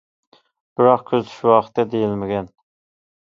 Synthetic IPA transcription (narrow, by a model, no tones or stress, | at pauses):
b̥ɪɾɑqkʲʰøzt̪ʰy̥ʃwɑːqʰət̪̚ːɛd̪ejilmɪɡʲɛn